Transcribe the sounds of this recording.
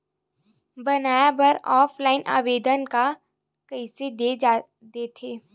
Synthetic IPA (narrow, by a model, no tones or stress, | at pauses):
bɐnaːjabɐɾɔːpʰlaːɪnʔa̰ːʋeːd̪ənka | kɐɪsed̪ea | d̪eːt̪ʰeː